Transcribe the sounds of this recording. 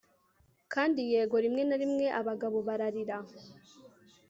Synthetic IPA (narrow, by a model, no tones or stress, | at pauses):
kʰaːndije̞ːɡo̞ɾimŋe̞naɾimŋe̞ʔaβaɡaβo̞βaɾaɾiɾa